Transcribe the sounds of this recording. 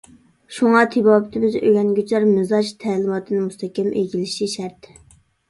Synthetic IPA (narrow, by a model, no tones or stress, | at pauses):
ʃuŋɑt̪ʰibɑːbɪt̪ʰɪbɪzø̰ɡʲɛnɡʲyt͡ʃʰlɛɾmɪzɑʃt̪ʰɛːlɪmɑt̪ʰɨnɨmust̪ʰɛkʲɛmʔeɡʲilɪʃiʃæɾt̪